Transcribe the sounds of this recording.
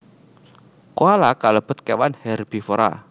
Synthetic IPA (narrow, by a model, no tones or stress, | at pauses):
koalakaləb̥ə̤t̪̚kewanhɛrb̥ifoɾa̰